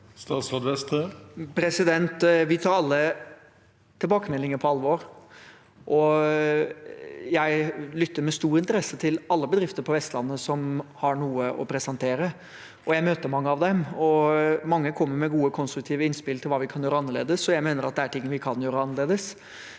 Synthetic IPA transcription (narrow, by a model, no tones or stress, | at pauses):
st̪ɑːt̪sɾod̪ʋɛst̪əpʰɾɛsɪd̪ɛnt̪ʋɪt̪ʰɑːɾɑlːə | t̪ʰɪlbɑːkəmɛlːɪŋəɾpʰɔɑlːəʋoːɾ | ʔɔ | jæɪlʏt̪ːəɾmɛst̪uːɾɪnt̪əɾɛsːət̪ʰɪlɑlːəbəd̪ɾɪft̪əɾpʰɔʋɛst̪lɑnːəsɔmhɑɳuːəʔɔ̰pʰɾɛsɛnt̪ʰeːɾə | ʔɔjæɪmøːt̪əɾmɑŋːəɑʋd̪ɛmɔmɑŋːəkʰɔmːəɾmɛɡuːəkʰɔnst̪ɾʉk̚t̪ʰiːʋəɪnspɪlt̪ʰɪlʋɑːʋɪkʰɑnjøːɾəɑnːəɭḛːd̪əsɔjæɪmeːnəɾɑt̪̚d̪ɛæʈʰɪŋːənʋɪkʰɑnjøːɾəɑnəɾɭeːd̪əs